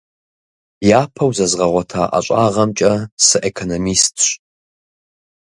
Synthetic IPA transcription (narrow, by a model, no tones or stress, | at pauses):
jaːpʰɐwzɐzʁɐʁʷɔtʰaːʔa̰ɕʼaːʁɐmt͡ʃʼɐsɨʔekʰonomistʰɕʼ